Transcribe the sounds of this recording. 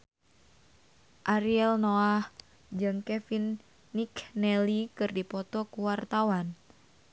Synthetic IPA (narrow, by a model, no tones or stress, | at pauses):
ʔaɾiɛlnoah | d͡ʒɨŋkɛfinː | iknɛlikɨrdipɔt̪ɔkuwart̪awan